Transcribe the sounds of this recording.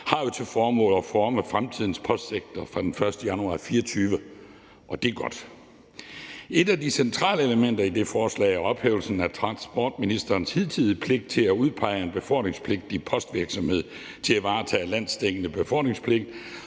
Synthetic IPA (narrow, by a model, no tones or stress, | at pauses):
hɑ̈jo̝t͡sʰe̝fɒːmɔ̰ːlɒfɒːməfʁamt͡sʰið̞̰ˠn̩spʰɒ̽sd̥seɡ̥̚d̥ʰɐfʁɑ̈d̥enfɶɐsd̥əjænuɑ̰̈ːfiːɒt͡sʰyːʋə | ʔɒ̽d̥e̝ɡ̥ɒ̽d̥ | e̝d̥ædisent͡sʰʁɑ̰̈ːləeləmen̰d̥ɐid̥e̝fɒːslɛ̰ːɪæɐɒ̽b̥heʊlsn̩æt͡sʰʁɑ̈nsb̥ɒ̰ːd̥minisd̥ɐːnshið̰ˠt͡sʰið̰ˠəpʰle̝ɡ̥̚d̥̚t͡sʰe̝læuð̞ˠpʰɑ̈ɪəenb̥e̝fɒl̰ɡ̥ne̝ŋspʰle̝ɡ̥̚d̥ipʰɒ̽sd̥ʋiɐɡ̥sɒ̽mhe̝ð̰ˠ | t͡sʰe̝læʋɑ̈ːt͡sʰɛ̰ːlæn̰sd̥eɡ̥ənəb̥e̝fɒl̰ɡd̥ne̝ŋspʰle̝ɡ̥̚d̥